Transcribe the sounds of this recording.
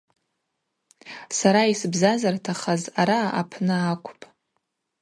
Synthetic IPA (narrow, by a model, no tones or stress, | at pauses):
saɾaisɨbzazartʰaχazaɾaa̰pʰnɨakʷʰʼpʼ